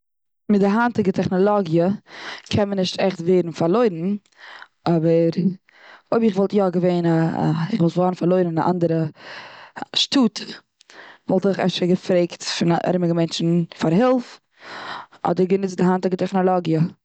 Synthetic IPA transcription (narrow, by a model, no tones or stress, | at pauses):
mɪdɪɦantɪɡətʰɛχnɔlˠɔɡjəkʰɛnmənɪʃtʰɛχtveɪɾn̩faɾlˠoɪɾn̩ | ʔɔbəɾ | oɪbɪχvɔlˠtjɔɡəveɪna̰ɪχvɔlˠtvɔːɾn̩faɾlˠoɪɾn̩aʔa̰ndəɾə | ʃtuːtʰə | vɔlˠtəχɛ̰fʃəɡəfɾeɪktfɪnaʔɛ̰ɾmɪɡəmɛnt͡ʃn̩faɾɦɪlˠf | ɔ̰dəɾɡənɪt͡sdɪɦantɪɡətɛχnɔlˠɔɡjə